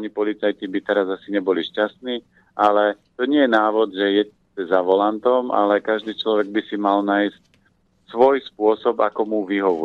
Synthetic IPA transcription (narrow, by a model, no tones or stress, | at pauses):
ɲipɔlit͡sajt̪ibit̪ɛɾazasiɲɛbɔliʃcast̪niː | ʔalɛt̪ɔɲɪɛjɛnaːʋɔd̪ʒɛjɛ | ɛzaʋɔlant̪ɔmʔa̰lɛkaʒd̪iːt͡ʃlɔʋɛɡ̚bisimalnaːjsc̚ | sʋɔjspʊɔsɔbakɔmuʋiɦɔʋɔ